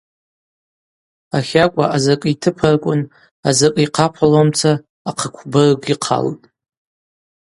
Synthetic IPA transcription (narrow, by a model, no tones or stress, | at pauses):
aχʲakʷʼaʔazakʼitʰɨpʰarkʷʼʊn | azakʼiqʰapʷʰalomt͡sʰaː | qʰəkʷʰbɨrɡʷiqʰa̰ltʼ